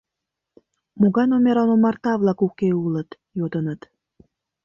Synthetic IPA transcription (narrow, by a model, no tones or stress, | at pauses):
muɣɑjnomʲeɾɑnomɑrt̪ɑβlˠɑkukeulət̪ | jod̪ənət̪